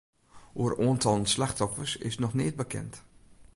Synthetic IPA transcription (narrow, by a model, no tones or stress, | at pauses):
oəroːəntʰɔlˠənslaxtɔfəsɪ̰snɔxnɪːt̚bəkʰɛ̰nt